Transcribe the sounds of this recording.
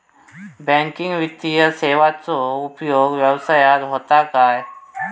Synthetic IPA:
bɛ̃ŋkɪ̃ŋɡʋɪt̪ːijəseːʋat͡soupjoːɡʋjɐʋsaːjad̪ɦoːt̪akaːɛ

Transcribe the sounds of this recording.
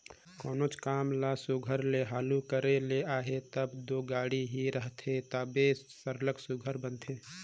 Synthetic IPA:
kɔːnot͡ʃkaːmlasuɡʱəɾleɦaːlukəɾeleaːɦet̪əbd̪oːɡaːɽiɦiɾəɦt̪ʰet̪aːbe | səɾləksuɡʱəɾbənt̪ʰeː

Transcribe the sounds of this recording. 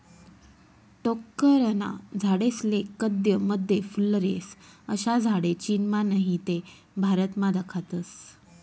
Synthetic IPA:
ʈɔkːəɾəna̰d͡zʱaɽeslekəd̪ʱjəməd̪ʱjefulɾesəɕad͡zʱaɽet͡ɕinmanəɦit̪e | bʱaɾət̪mad̪əkʰat̪əs

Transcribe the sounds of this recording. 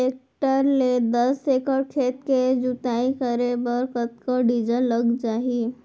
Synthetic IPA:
eːk̚ʈəɾled̪əsekəɽkʰeːt̪ked͡ʒut̪aːikəɾebəɾkət̪̚koɖid͡ʒəlːəɡd͡ʒaːɦi

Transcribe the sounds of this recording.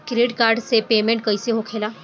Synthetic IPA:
kɾiɽkaɾɖsepemẽɳʈ̚kəjseɦokʰela

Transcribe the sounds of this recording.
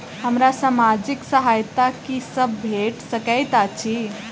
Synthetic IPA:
həmɾasamad͡ʒiksəɦajt̪akisəbːʱeʈsəkəjt̪at͡ʃʰi

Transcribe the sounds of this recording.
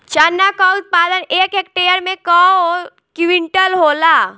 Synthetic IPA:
t͡ʃanːakaʊt̪̚paːd̪əneːkeːk̚ʈeːəɾmẽkao | kwɪ̃ɳʈəlɦoːlaː

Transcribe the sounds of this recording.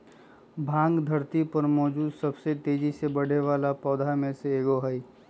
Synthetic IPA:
bʱãːŋɡd̪ʱɐɾt̪ipɐɾmɔːd͡ʒuːd̪sɐbset̪eːd͡ʒisebɐɽ̤eʋaːlapɔːd̪ʱamẽseeːɡoɦəi

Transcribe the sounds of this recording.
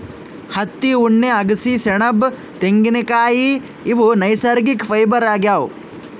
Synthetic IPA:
hɐt̪ːiuɳːeɐɡɐsiseɳɐb | t̪eŋɡinekaːjiː | ʋunɐjsɐɾɡikpʰɐjbɐɾaːɡjaːw

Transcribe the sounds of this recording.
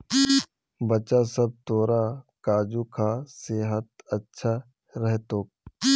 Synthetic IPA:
bɐt͡ʃasɐb̚t̪oːɾakaːd͡ʒukʰaseːɦət̪̚ɐtːʃʰa | ɾɛɦt̪oːk̚

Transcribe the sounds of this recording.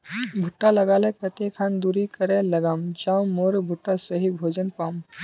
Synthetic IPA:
bʱʊʈːalɐɡaːlekɐt̪ekʰãːnd̪uːɾikəɾẽlɐɡaːmd͡ʒãːwmoːɾbʱʊʈːasɐɦibʱoːd͡ʒənpaːm

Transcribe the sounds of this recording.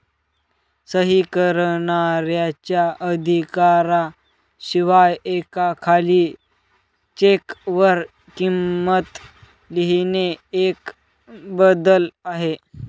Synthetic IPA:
səɦikəɾɳaɾjat͡ɕjaʔəd̪ʱikaɾa | ɕiʋajekakʰaliː | t͡ɕekʋəɾ | kimːət̪ | liɦineek | bəd̪əlaɦe

